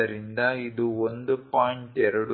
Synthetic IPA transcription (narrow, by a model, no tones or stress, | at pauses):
ɐɾind̪ɐid̪uond̪upaːjɳʈɛɾɐɽu